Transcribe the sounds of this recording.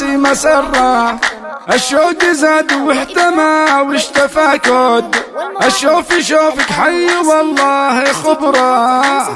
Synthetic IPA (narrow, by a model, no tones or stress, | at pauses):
imasɑrˤːɑ | ʔaʃːoːɡɪzad̪wɪħt̪amawɪʃt̪afakʊd̪ʔaʃːoːfiʃoːfɪkħajːwɑlˤːɑːhixʊbɾˤɑ